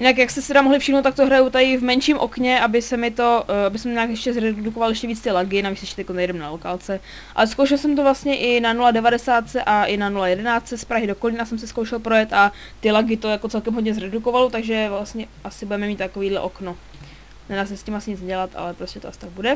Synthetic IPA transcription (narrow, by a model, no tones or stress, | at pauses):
jɪnakjakst̪ɛsɪ̥t̪ɛɾamoɦlɪfʃɪxnowt̪ak̚t̪oɦɾajut̪ajɪvmɛnʃiːmʔo̞̰kɲɛabɪsɛmɪt̪o̞abɪsɛmɲaːkjɛʃcɛzɾɛdukovaljɛʃcɛviːt͡st̪ɪlaɡɪnavisɛʃt̪konajɛdɛmnalokalt͡sɛ | ʔa̰lɛskowʃɛlsɛmt̪ovlast̪ɲɛʔɪnanuladɛvadɛsaːt̪̚t͡sɛʔaʔɪnanulajɛdɛnaːt͡st͡sɛspɾaɦɪdokolɪnasɛmsɪskowʃɛlpɾojɛt̪ʔa | t̪ɪlaɡɪt̪ojakot͡sɛlkɛmɦodɲɛzɾɛdukovalot̪aɡʒɛvlast̪ɲɛʔasɪbudɛmɛmit̪t̪akoviːdlɛ̰ʔo̞kno | nɛnaːsɛscimasɪɲɪt͡snɛɟɛlat̪ʔa̰lɛpɾoscɛt̪oʔasɪ̥t̪aɡ̚budɛ